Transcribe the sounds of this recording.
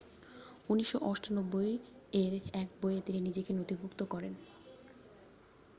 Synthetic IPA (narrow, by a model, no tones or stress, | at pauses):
uniʃːoʔɔʃʈonobːojeɾɛkbojet̪ininid͡ʑekenot̪ibʱukt̪okɔɾen